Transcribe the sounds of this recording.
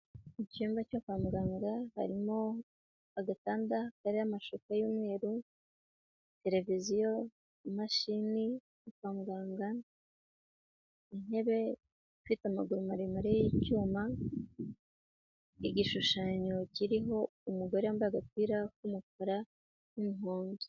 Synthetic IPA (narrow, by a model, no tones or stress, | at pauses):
icuːmbacakaːmɡaːŋɡaha̰ɾimo̞ | aɡataːndakaɾeɾamaʃokajoːmwe̞ːɾu | te̞ɾe̞vizijo̞ | maʃini | nukaːmɡaːŋɡa | ine̞βe̞ | ifitamaɡuɾumaɾemaɾejicuːma | iɟiʃuʃaːɲo̞ciɾiɦo̞ | umuɡo̞ɾeambaaɡat̚wiːɾak̚umuk̚oɾa | numuhoːnzi̥